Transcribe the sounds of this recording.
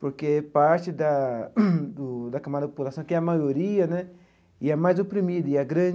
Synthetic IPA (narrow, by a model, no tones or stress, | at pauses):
poɾkeɛpaɾt͡ʃɪd̪a | d̪ʊd̪ɐkamad̪ɐpopulasɐ̃w̃kɪɛɐmajoɾiɐnɛ | iɛmajzopɾimid̪iaɡɾɐ̃